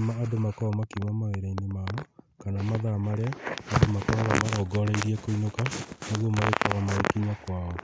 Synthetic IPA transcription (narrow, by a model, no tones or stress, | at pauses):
maːdomakɔɔmakimamaweɾainemaɔ | kanamaðamaɾeaːdomakɔβamaɾɔɡɔɾɛiɾiɛkoinokanoɣomaɣekɔɣamaekiɲakwaːɔ